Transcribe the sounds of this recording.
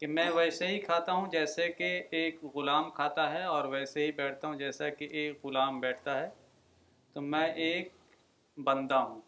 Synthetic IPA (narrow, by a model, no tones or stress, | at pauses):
kemɛ̃ʋɛːseɦikʰaːt̪aɦũd͡ʒɛːsekeeːkɣʊlaːmkʰaːt̪aɦɛɔːɾʋɛːseɦibɛːʈʰt̪aɦũd͡ʒɛːsakeʔeːkɣʊlaːmbɛːʈʰt̪aɦɛː | t̪omɛ̃ʔeːk̚ | bɐ̃nd̪aɦũː